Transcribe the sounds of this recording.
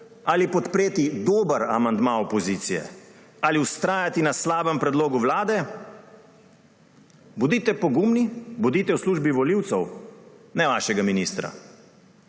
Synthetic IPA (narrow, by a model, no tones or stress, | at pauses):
alipɔt̪pɾeːt̪id̪oːbəɾamand̪maɔpɔziːt̪sijɛ̰ | aliwst̪ɾaːjat̪inaslaːbəmpɾɛd̪loːɡuʋlaːd̪ɛ | bud̪iːt̪ɛpɔɡumnibud̪iːt̪ɛwsluːʒbiʋɔliwt̪sɛwnɛʋaːʃɛɡaminiːst̪ɾa̰